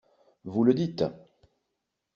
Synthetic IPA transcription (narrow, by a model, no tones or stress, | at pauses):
vuləd̪it̪